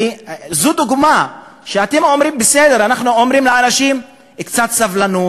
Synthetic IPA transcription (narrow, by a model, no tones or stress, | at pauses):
izud̪uɡmaʃeat̪emo̞mɾimbesed̪eʁanaχnuomʁimleanaʃim | kt͡sat̪savlanu